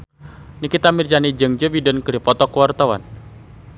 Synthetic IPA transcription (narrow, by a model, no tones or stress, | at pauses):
nikit̪amird͡ʒanid͡ʒəŋd͡ʒəbidənkədipɔt̪ɔkəwart̪awa̰n